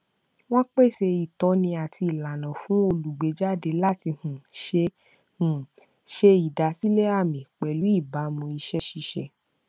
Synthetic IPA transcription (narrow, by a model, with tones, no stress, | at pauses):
w̃ɔ̃˦k͡pe˦˨se˧i˨tɔ˨˦nĩ˧a˨ti˧i˨la˨nã˨fũ˨˦o˧lu˨ɡ͡be˨˦d͡ʒa˦˨de˧la˦˨ti˧hũ˨ʃe˧ | hũ˨ | ʃe˧i˨da˨si˦le˦a˦˨mĩ˨k͡pɛ˨lu˨˦i˦˨ba˨˦mũ˧i˧ʃɛ˦ʃi˧ʃɛ˧